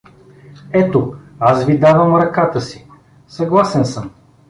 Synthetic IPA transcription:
ɛt̪oasvid̪avəmɾɐkat̪əsi | sɐɡlˠasɛnsəm

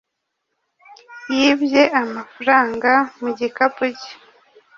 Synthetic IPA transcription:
jiːbjeʔamafuɾaːŋɡamuɟikapuci̥

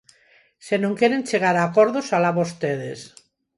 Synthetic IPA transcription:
senõŋkjeɾenʲt͡ʃeɣ̞aɾakoɾðosalaβost̪eðes

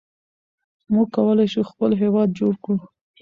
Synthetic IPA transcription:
muɡ̚kawəlajʃuxpəlɦewɑd̪̚d͡ʒoɽkɽu

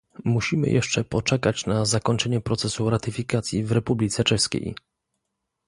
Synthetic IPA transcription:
muɕimɘ̰jɛ̰ʂt͡ʂɛpɔt͡ʂɛkat͡ɕnazakɔɲt͡ʂɛɲɛpɾɔt̪sɛsuɾat̪ɘfʲikat̪sʲjivɾɛpublʲit̪sɛt͡ʂɛʂskʲḛj

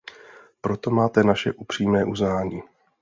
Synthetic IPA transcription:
pɾo̞t̪o̞maːt̪ɛnaʃɛ̰ʔupr̝̥iːmɛːʔuznaːɲiː

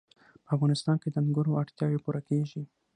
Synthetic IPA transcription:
pəafɣɑnɪst̪ɑnked̪əmɡʊɾoaɽt̪jɑwepuɾakeʒi

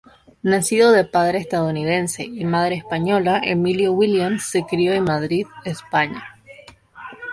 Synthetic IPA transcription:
nasiðoðe̞paðɾeːst̪aðouniðe̞nse̞imað̞ɾeːspaɲo̞laʔḛmiljowiljamsːekɾioenmaðɾiðespaɲa

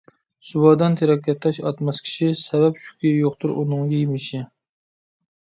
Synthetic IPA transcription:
subɑd̪ɑnt̪ʰeɾɑkʲʰɛt̪ʰːɛʃɑt̪mɛskʲʰi̥ʃisɛbɛpʃu̥kʲʰijoqt̪ʊɾʔṵnɨŋɡʲɛjemɪʃɪ

